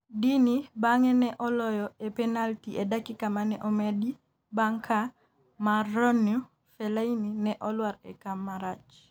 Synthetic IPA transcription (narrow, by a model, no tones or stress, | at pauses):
dinibaŋɛnɛʔɔlɔjɔɛpɛnaltiʔɛdakikamanɛʔɔmɛdi | baŋkʰa | marɔnju | fɛlaininɛʔɔlwaɾɛ̰kamːaɾat͡ʃ